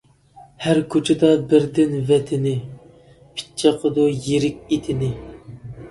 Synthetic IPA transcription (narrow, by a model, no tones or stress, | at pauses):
hæɾkʰot͡ʃʰɪd̪ɑbɪɾd̪ɪnvɛt̪ʰɪnɪ | pʰɪ̥t͡ʃʰɑqʰəd̪ʊjeɾɪk̚ʲet̪ʰɪnɪ